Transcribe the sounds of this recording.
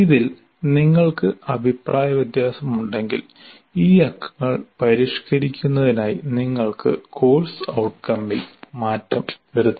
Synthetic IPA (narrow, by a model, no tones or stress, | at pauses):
iðil | niŋːɐɭkɨɐbʱipraːjɐʋid̪jaːsɐmuɳɖe̞ŋɡḭl | iːɐkʰːɐ̥ŋːɐɭpɐɾiʂkɐɾikʲːunːɐðinaːjiniŋːɐɭkɨ̰kʰo̞ːlsɐwʈkɐmːilmaːtːɐmʋɐɾut̪ː